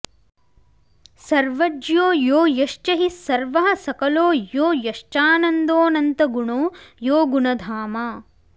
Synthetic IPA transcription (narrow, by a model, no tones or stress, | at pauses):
sɐɾʋɐd͡ʒjoːjoːjɐʃt͡ʃɐɦisːɐɾʋɐɦɐ̆sɐkɐloːjoːjɐʃt͡ʃaːnɐnd̪oːnɐnt̪ɐɡuɳoːjoːɡuɳɐd̪ʱaːmaː